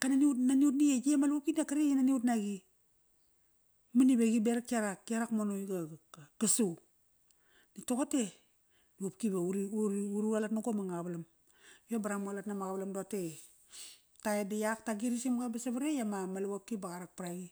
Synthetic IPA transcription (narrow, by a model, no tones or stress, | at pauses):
kananiutnaniut̬nied͡ʒiemaluwap̚kinakaɾejinaniut̬naɡi | manibeɡibeɾakiaɾakːiaɾakmonojɡaɡasu | nitokate | niapkibauɾiuɾialatnaɡomaŋaβalam | jobaɾamualatnamaɣaβalamdote | taedajak̚taɡiɾisimɡabasaβaɾejamamaluwap̚kibaɣaɾak̚paɾaɡi